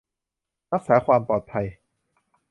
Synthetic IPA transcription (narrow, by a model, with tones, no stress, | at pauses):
ɾa˦˥k̚sɛː˩˦kʰwaː˧mpɔː˨˩t̪̚pʰa˧j